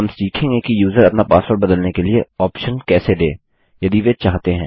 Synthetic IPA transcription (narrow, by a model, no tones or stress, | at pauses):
ɐmsʈiːkʰɪ̃ŋɡekijuːzəɾɐpnapaːsfəɾbɐd̪əlnekelieɔːpʃənkɛːseɖeː | jɐd̪iʋet͡ʃaːɦt̪eɦɛ̃ː